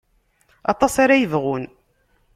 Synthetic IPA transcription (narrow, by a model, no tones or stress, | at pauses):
ɑ̰t̪ˤɑsaɾajəvʁʊn